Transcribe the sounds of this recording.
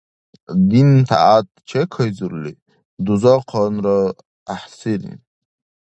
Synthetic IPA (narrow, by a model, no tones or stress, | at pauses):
d̪int̪ʰa̰at̪̚t͡ʃʰekʰəjzuɾli | d̪uzɔqʰɔnɾɔ | aħsiɾḭn